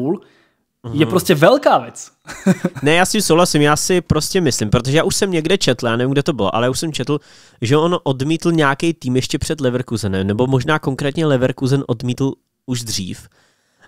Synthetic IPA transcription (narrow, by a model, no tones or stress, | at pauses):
ul̩ | jɛpɾoscɛvɛlkaːvjɛt͡s | nɛjaːscɪmsowɦlasɪmjaːsɪpɾo̞scɛmɪslɪmpɾot̪oʒɛjaːʔuʃsɛmɲɛɡdɛt͡ʃɛt̪l̩ˠjaːnɛvimɡ̚dɛt̪o̞bɪloʔalɛjaːuʃsɛmt͡ʃɛt̪l̩ | ʒɛʔo̞nʔo̞dmiːt̪l̩ɲaːkɛjt̪iːmjɛʃcɛpr̥ɛd̪lɛvɾkuzɛnɛmnɛbo̞mo̞ʒnaːkoŋkɾɛːt̪ɲɛlɛvɛɾkuzɛnʔo̞dmiːt̪l̩ | uʒdr̝ḭːf